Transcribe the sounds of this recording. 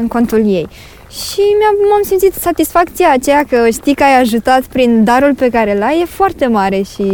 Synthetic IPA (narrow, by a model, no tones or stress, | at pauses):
ɨŋko̞nt̪ulje̞j | ʃimamamsimt̪sit̪sat̪isfakt̪sijaːt͡ʃejakəʃt̪ikəajaʒut̪at̪pɾind̪aɾulpe̞kaɾelaje̞foart̪e̞maɾe̞ʃi